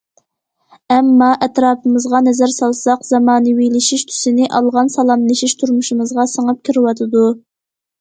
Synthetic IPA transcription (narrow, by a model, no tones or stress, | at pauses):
ɛmːɑʔɛt̪ɾɑːpʰɨmɨzʁɑnɛzæɾsɑlˠsɑqzɑmɑːnɨwilɪʃiʃt̪ʰy̥sɪnɪʔɑlˠʁɑnsɑlˠɑmlɪʃiʃt̪ʰuɾmuʃimɨzʁɑsəŋɨp̚kʲʰiɾɪwɑt̪ʰɨd̪u